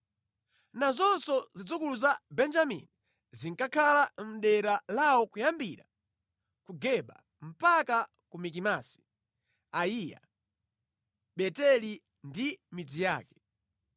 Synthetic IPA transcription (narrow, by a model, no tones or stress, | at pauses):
nazɔnsɔzid͡zukuluzabɛnd͡ʒamḭni | ziŋkakʰalam̩ɗɛɾalawɔkujambiɾa̰ | kuɡɛɓa̰ | m̩paka | kumik̬imasi̥ | aija̰ | ɓɛtɛli | ndimid͡zija̰ːkɛ̥